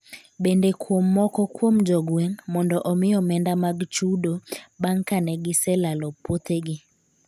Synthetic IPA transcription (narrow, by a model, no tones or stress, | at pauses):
bendekwomːɔkɔkwomd͡ʒɔɡwɛŋmɔndɔʔɔmɪjɔmɛndamaɡt͡ʃudobaŋkanɛɡɪsɛlalɔpot̪eɡɪ